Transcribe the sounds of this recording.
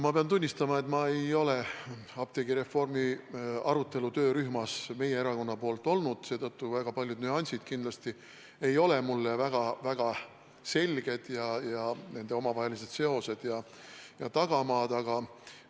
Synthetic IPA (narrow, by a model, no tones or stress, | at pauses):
mɑpe̞ɑnt̪unʲːist̪ɑmɑe̞t̪mɑe̞jo̞le̞ | ɑb̥̚t̪e̞ɡiɾe̞fːo̞rmiɑ̰ɾut̪ːˑe̞lut̪ø̞ːɾyhmɑsme̞jee̞ɾɑko̞nːɑpo̞ːlt̪ːˑo̞lnud̪̥se̞ːt̪ɤt̪ːuvæɡ̥ɑpɑlʲjud̪̥nyɑnʲsʲid̪̥kind̪lɑst̪i | e̞jo̞le̞mulːevæɡ̥ɑvæɡ̥ɑ | se̞lʲɡ̥e̞d̪̥jɑjɑne̞nd̪̥e̞o̞mɑvɑɦe̞lise̞d̪se̞o̞se̞d̪̥jɑ | jɑt̪ɑɡ̥ɑmɑːd̪̥ɑɡ̥ɑ